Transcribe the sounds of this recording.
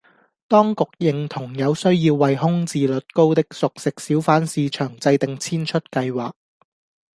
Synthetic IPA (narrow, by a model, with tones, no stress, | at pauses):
t̪ɔː˥ŋkʊ˨k̚jɪ˨ŋt̪ʰʊ˨˩ŋjɐ˨˧wsɵ˥ɥjiː˧wːɐ˨jɦʊ˥ŋt͡siː˨lɵ˨t̚ko˥wt̪ɪ˥k̚sʊ˨k̚sɪ˨k̚siː˨˥wfaː˨˥nsiː˧t͡ʃʰœː˨˩ŋt͡sɐ˧jt̪ɪ˨ŋt͡sʰiː˥nt͡ʃʰɵ˥t̚kɐ˧jwaː˨˩k̚